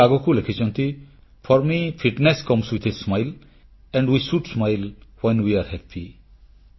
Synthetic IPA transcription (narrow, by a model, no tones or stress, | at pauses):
aɡɔkulekʰit͡ʃɔnt̪i | fʰɔɾmifʰiʈneskɔ̃mswit̪ʰesmajl | ɛ̃ɳɖwisuʈsmajlwẽnwiaɾhɛpʰi